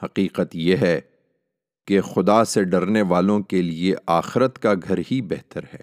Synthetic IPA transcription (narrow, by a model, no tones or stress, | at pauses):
hɐqiːqət̪jeɦɛː | kexʊd̪aseɖɐɾneʋaːlõkelieʔaːxɪɾət̪kaɡʱɐɾɦibɛɦt̪əɾɦɛː